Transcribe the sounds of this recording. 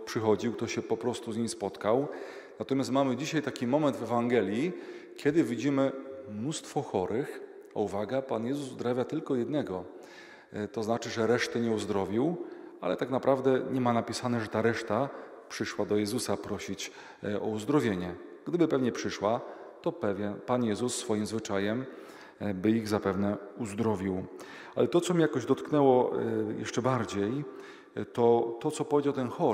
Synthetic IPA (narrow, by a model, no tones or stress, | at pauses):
pʂɘxɔd͡ʑiwkt̪ɔɕɛpɔpɾɔst̪uzɲimspɔt̪kaw | nat̪ɔmʲjast̪mamɘd͡ʑiɕajt̪akʲimɔmɛnd̪vɛvaŋɡɛlʲji | kʲjɛd̪ɘvʲid͡ʑimɘmnust̪fɔxɔɾɘx | ɔ̰uvaɡɛpanjɛzuzuzd̪ɾavʲjat̪ɘlkɔjɛd̪nɛɡɔ | t̪ɔznat͡ʂɘʐɛɾɛʂt̪ɛɲɛuzd̪ɾɔvʲiwa̰lɛt̪aknapɾavd̪ɛɲɛmanapʲisanɛʐɛt̪aɾɛʂt̪a | pʂɘʂwad̪ɔjɛzusapɾɔɕit͡ɕ | ɔ̰uzd̪ɾɔvʲjeɲɛ | ɡd̪ɘbɘpɛvɲɛpʂɘʂwa | t̪ɔpɛvʲjɛnpanjɛzusːfɔjimzvɘt͡ʂajɛm | bɘiɣzapɛvnɛuzd̪ɾɔvʲiw | alɛt̪ɔt̪sɔmʲijakɔʑd̪ɔt̪knɛwɔjʔɛ̰ʂt͡ʂɛbaɾd͡ʑej | t̪ɔt̪ɔt̪sɔpɔvʲed͡ʑawt̪ɛnxɔ